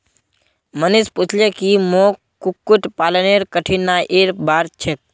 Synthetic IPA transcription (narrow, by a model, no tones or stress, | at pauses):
mənisput͡ʃʰljekimo | kukːuʈpaləneɾkəʈʰinːaʔeɾbaɾt͡ʃʰek̚